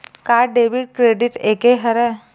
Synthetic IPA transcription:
kaɖeʋiɽ̚kɾeɖiʈekeɦəɾɛ

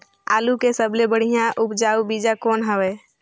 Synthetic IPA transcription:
a̰ːlukesəblebəɽ̤ijãʔʊpd͡ʒaːubid͡ʒakoːnɦəʋɛː

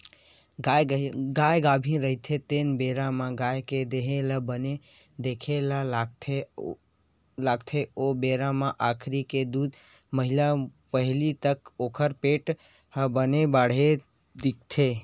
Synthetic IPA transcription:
ɡaɡajɡabʱĩɾəɦt̪ʰet̪enbeɾamãɡajked̪eɦeləbəne | d̪ekʰelalaɡt̪ʰe | laɡt̪ʰeobeɾamãʔakʰɾiked̪ud̪ | məɦilapəɦlit̪əkokʰəɾpeʈ | ɦəbənebaɽ̤e | d̪ik̚t̪ʰe

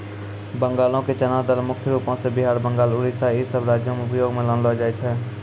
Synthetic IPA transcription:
bə̃ŋɡaːlõket͡ʃənaːd̪əlmʊkʰjəɾuːpõsebɪɦaːɾbə̃ŋɡaːlʊɾisaisəbɾaːd͡ʒjomẽʊpəjoːɡmẽlənlɔd͡ʒaːɛt͡ʃʰɛː

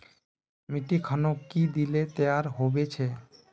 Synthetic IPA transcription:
miʈikʰanokid̪ilet̪eaɾɦobet͡ʃʰe

